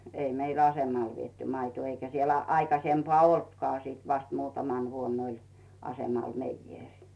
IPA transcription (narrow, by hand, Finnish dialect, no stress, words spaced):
ei meil ɑsemɑl ʋietːy mɑitŭoˑ eikæ sielæ̥ ɑikɑsempɑː oltkŏɑˑ siˑt ʋɑst muːtɑmɑn ʋuonː olʲ ɑsemɑl meijːeˑrʲ